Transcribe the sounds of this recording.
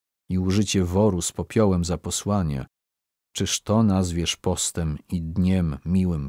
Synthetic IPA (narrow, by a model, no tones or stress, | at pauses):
iuʐɘt͡ɕɛvɔɾuspɔpʲjɔwɛmzapɔswaɲɛ̰ | t͡ʂɘʂt̪ɔnazvʲjɛʂpɔst̪ɛmid̪ɲɛmːʲiwɘm